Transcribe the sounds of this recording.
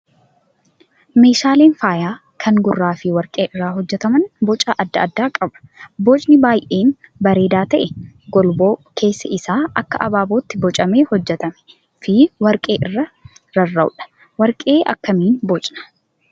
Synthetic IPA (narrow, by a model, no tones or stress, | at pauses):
me̞ːʃaːle̞ːnfaːjaː | kʰɐŋɡʊrːaːfɪwɐɾkʼeːʔɪrːaːɦɔd͡ʒːɛt̪ɐmɐnbɔt͡ʃʼaːʔɐd̪ːɐɐd̪ːaːkʼɐbɐ̥boːt͡ʃʼnɪbaːjʔe̞ːnbɐɾe̞ːd̪aːt̪ɐʔɛɡɔlbo̞ːkʰe̞ːsːɐɪsaːɐkːɐʔɐbaːboːt̪ːɪbɔt͡ʃʼɐmeːhɔd͡ʒːɛt̪ɐmɛ̥ | fɪwɐɾkʼe̞ːʔɪrːɐɾɐrːɐʊᶑɐ̥ | wɐɾkʼe̞ːʔɐ̰kːɐmiːnbɔt͡ʃʼnɐ̥